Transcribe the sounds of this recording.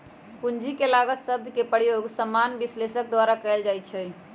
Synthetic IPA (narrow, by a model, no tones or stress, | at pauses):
pund͡ʒikelaɡət̪səb̚d̪ʱkepəjoɡsəmːanbislesək̚d̪waɾakɛeld͡ʒajt̪t͡ʃʰɛ